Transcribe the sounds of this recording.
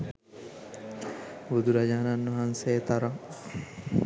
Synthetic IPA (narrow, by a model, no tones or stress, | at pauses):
bud̪uɾɐd͡ʒaːnanːɐɦanseːt̪ɐɾɐŋ